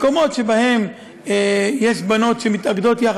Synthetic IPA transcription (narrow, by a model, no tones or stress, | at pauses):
ko̞mo̞t̪ʃe̞bahe̞m | jeʃbano̞t̪ʃemit̪aɡd̪o̞t̪ja